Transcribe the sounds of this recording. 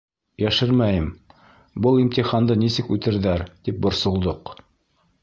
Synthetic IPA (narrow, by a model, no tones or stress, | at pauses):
jæʃɘɾmæjɘm | bɤlˠimt̪iχɑnd̪ɤnisɘkʉt̪ɘ̆ɾðæɾt̪ip̚bŏɾsŏlˠd̪oq